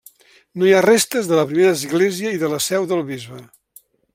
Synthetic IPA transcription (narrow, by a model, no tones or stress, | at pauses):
noiarest̪əzðələpɾimeɾəːzɣleziəiðələsɛwðəlˠβizβə